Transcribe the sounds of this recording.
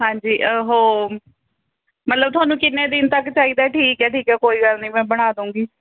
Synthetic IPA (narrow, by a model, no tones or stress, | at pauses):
ɦãːɲd͡ʒiːʔəɦoː | mət̪ləb̚t̪ʰʊwaːnũːkɪnːẽːd̪ɪnt̪əkːt͡ʃaːiːd̪aːɛːʈʰiːkɛːʈʰiːkɛːkoːiːkəlnĩːmɛ̃ːbəɽ̃aːd̪ũːŋɡiː